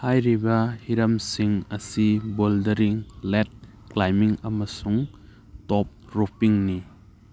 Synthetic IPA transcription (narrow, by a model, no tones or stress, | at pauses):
hajɾibɐhiɾɐmsiŋɐsiboldɐɾiŋlet̚ | klajmiŋɐmɐsuŋ | tɔp̚ɾupiŋni